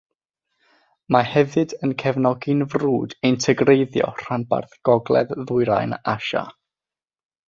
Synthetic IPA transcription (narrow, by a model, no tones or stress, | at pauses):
mahɛvɨdənkʰɛvnɔɡɪnvruːdejntʰəɡrejðjɔ̰r̥anba̰rθɡ̥ɔɡlˠɛ̰ððʊɨɾa̰jnaʃa̰